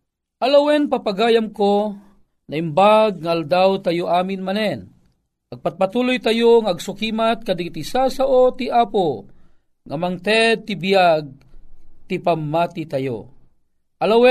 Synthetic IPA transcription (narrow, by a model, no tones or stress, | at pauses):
ʔalawɛnpapaɡaːjamko | naimbaɡ̚ŋaald̪awt̪ajoʔaːmɪnmanɛn | aɡ̚pat̪̚pat̪uːlʊjt̪ajoŋaːɡsʊkiːmat̪̚kad̪ɪt̪isasaʔot̪iʔaːpo | ŋamaŋt̪ɛd̪̚t̪ɪbijaɡ̚ | t̪ipamːat̪it̪ajo̰ | ʔalawɛ